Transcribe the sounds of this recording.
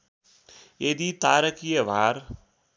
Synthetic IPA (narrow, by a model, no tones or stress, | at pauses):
jed̪it̪aːɾəkijəʋaːɾ